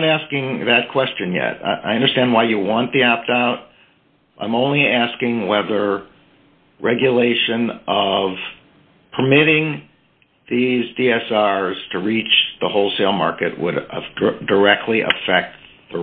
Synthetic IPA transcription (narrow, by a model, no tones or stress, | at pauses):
ɾæskɪ̃ŋðɨt̚kʰw̥ɛst͡ʃɨ̃njɛ̰t̚a̰ʔaɪʌ̃ndə˞stæ̃nd̚waɪjɨwɑ̃nðiɑp̚d̥aʊɾ | ʔãɪ̃mõʊ̃nliæskɪ̃ŋwɛðə˞ | ɹɛɡjɨleɪʃɨ̃nʌv̥ | pʰə˞mɪɾɪ̃ŋ | ðizdiɛsɑɹz̥tʰɨɹit͡ʃðəhoʊlˠseɪlˠmɑ̰ɹkɨt̚wə̰ɾdə˞ɛk̚tʰˡliʔɨ̰fɛk̚t̪ | ðə